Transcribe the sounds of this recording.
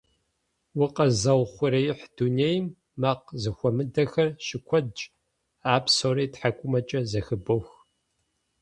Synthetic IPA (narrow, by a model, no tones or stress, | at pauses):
wʊqʼɐzɐwχʷʊɾɐjħd̥uneːjmː | ɐqzɨxʷɔmɨdɐxɐrʃɪkʷʰɔdt͡ʃʼ | aːpsoːɾeːtħakʷʼʊmɐt͡ʃʼɐzɐxɨbox